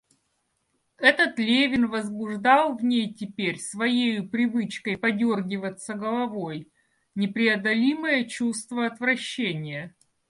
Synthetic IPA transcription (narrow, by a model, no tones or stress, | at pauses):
ɛt̪ət̪lʲevʲɪnvəzbʊʐd̪ɑlˠvnʲejtʲɪpʲeɾʲsvɐjejʊpɾʲɪvɨt͡ɕkəjpɐdʲorɡʲɪvət̪səɡəlˠɐvoj | nʲɪpɾʲɪɐd̪ɐlʲiməjət͡ɕust̪vəɐt̪vɾɐɕːenʲɪjə